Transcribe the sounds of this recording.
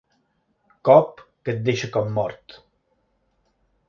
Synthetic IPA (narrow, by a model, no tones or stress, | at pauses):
kɔpkət̪̚d̪eʃəkɔmːɔɾt̪